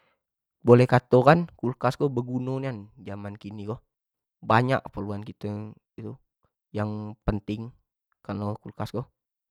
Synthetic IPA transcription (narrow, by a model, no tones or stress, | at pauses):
bolɛhkat̪okankulkasɡobəɡunoniand͡ʒamankiniɡɔ | baɲa̰kpəluankit̪ə | it̪u | jaŋpənt̪ɪŋ | kalokulkasɡɔ